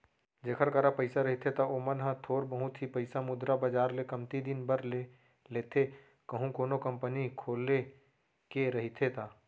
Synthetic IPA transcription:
d͡ʒeːkʰəɾkəɾapəɪsaɾɐɦit̪ʰet̪aomənɦãt̪ʰoːɾbəɦut̪ɦipɐɪsamʊd̪ɾabəd͡ʒaːɾlekɐmt̪id̪ɪnbəɾle | leːt̪ʰe | kəɦũkoːnokɐ̃mpənikʰoːlːe | keɾɐɦit̪ʰet̪ʰaː

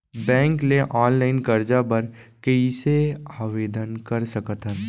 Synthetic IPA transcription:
bɛ̃ːŋkleʔɔːnlaːɪnkɐɾd͡ʒabɐɾkəiseaːʋeːd̪ənkɐɾsɐkət̪ɦɛː

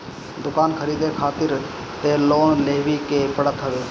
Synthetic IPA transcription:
d̪ʊkaːnkʰəɾiːd̪ekʰaːt̪ɪɾ | t̪eːloːnleːʋikeːpəɽət̪ɦəʋeː

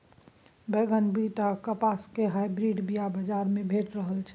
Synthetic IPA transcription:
beɡənbit̪akəpaskeɦajbɾiɖbijabəd͡ʒaɾmebʱeʈɾəɦəlt͡ʃʰɛ̥

